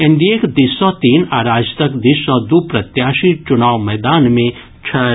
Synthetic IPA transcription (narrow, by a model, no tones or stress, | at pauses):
ẽɳɖiekd̪issɔt̪iːnaːɾaːd͡ʒt̪əkd̪isɔ̃d̪upɾɐt̪jaːʃit͡ʃʊnaːʋmɛːd̪aːnmẽ | t͡ʃʰə